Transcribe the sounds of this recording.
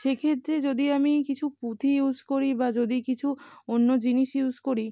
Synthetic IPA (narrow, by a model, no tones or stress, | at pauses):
ʃekʰet̪ːɾed͡ʑod̪iamikit͡ɕʰupɾut̪ʰiud͡ʑkoɾibad͡ʑod̪ikit͡ɕʰuonːod͡ʑiniʃjud͡ʑkoɾi